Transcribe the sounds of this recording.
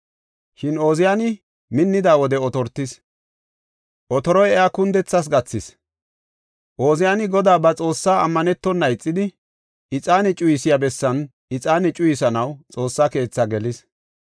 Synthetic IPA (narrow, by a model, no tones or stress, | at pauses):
ʃɪno̞ːzɪjaːnɪ | mɪnːɪd̪aːwɔd̪ɛɔt̪ɔɾt̪ːɪs | ʔɔt̪ɔɾɔjɛjaːkʊnd̪ɛt͡sːɐs̬ɡɐt͡sːɪs | ʔo̞ːzɪjaːnɪɡɔd̪aːbɐt͡sʼo̞ːsːaːɐmːɐnɛt̪ːɔnːɐjt͡sʼːɪd̪ɪ | ɪt͡sʼaːnɛt͡ʃʼʊjɪsɪjabɛsːɐn | ɪt͡sʼaːnɛt͡ʃʼʊjɪsɐnɐwt͡sʼo̞ːsːaːke̞ːt͡sːɐɡɛlɪs